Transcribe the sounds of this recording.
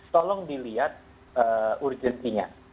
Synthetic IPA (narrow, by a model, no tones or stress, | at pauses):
st̪ɔlɔŋdiliat̪̚ | əurd͡ʒənt̪iɲa̰